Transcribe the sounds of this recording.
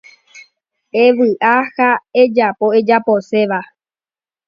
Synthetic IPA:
eʋɨʔahae̞d͡ʒapo̞e̞d͡ʒapo̞se̞ʋa

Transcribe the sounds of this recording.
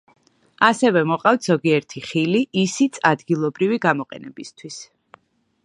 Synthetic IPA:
asɛvɛmɔqʼaft̪ʰz̥ɔɡiɛɾt̪ʰiχiliʔisit̪sʰad̪ɡilˠɔbɾiviɡamɔqʼɛ̰nɛbist̪ʰwis

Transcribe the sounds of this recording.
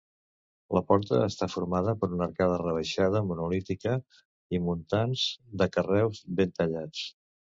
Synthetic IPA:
ləpɔɾt̪əːst̪afuɾmað̞əpəɾunəɾkað̞ərəβ̞əʃað̞əmunulit̪ikə | imunt̪anzd̪əkərɛwzβent̪əʎat͡s

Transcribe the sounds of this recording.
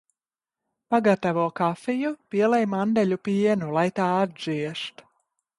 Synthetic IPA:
paɡat̪avuɔkafijupiɛlˠɛjmand̪ɛʎʲupiɛnulˠajt̪aːad̪̚ʒiɛʃt̪

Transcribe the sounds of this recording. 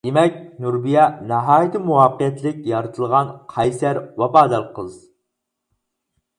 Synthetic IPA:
d̪̥emɛkʲnuɾbijɑnɑɦɑːjit̪ʰɨmuɑːqəjɛt̪ʰlɪkʲjɑɾɨt̪ʰɨlˠʁɑnqʰɑjsæɾwɑbɑːd̪ɑɾqʰəlˠɨz

